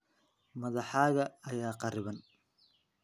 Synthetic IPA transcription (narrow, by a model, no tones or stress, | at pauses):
mɐðɑħaːɣɐɐjaːqɑɾɪβɐn